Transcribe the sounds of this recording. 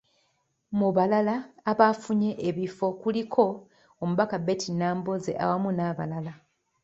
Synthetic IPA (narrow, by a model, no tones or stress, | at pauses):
muβalalaːβafuɲe̞ʔeβifo̞kulikʰo̞ | omuβakabe̞ːtinaːmbozḛʔa̰wamunaːβa̰lala